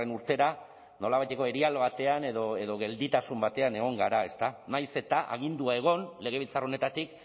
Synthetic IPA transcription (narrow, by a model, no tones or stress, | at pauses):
enuɾt̪e̞ɾa | no̞laβajt̪e̞ko̞e̞ɾialβat̪e̞ane̞ðo̞e̞ðo̞ɣ̞e̞ld̪it̪asumbat̪e̞ane̞ɣ̞o̞ŋɡaɾae̞st̪anajse̞t̪aʔa̰ɣ̞ind̪uae̞ɣ̞o̞nle̞ɣ̞e̞βilt͡saro̞ne̞t̪at̪ik